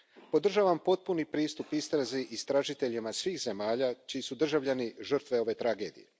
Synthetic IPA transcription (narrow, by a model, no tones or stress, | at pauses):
po̞d̪r̩ʒaːʋampo̞t̪̚punipɾiːst̪upist̪ɾaziʔist̪ɾaʒit̪e̞ʎimasʋiːxze̞maːʎat͡ʃijisud̪r̩ʒaʋʎaniʒər̩t̪ʋe̞o̞ʋe̞t̪ɾaɡe̞ːd̪ḭje